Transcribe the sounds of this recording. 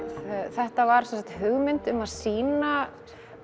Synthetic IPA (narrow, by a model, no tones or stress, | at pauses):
θɛht̪avaɾ̥sɛnsḁkt̪ɦʏɣmɪnt̪ʏmaðsiːna